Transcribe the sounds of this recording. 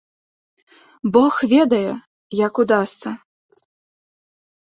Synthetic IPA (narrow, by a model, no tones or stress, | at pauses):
bɔxvʲɛd̪ɐjɛ | jɐkud̪ast̪sɐ